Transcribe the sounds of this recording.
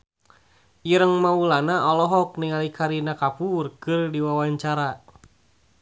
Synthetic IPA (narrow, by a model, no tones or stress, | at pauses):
iɾəŋmaulanaʔɔlɔɦɔk̚niŋalikʰaɾinakapurkɨrdiwawaɲt͡ʃaɾa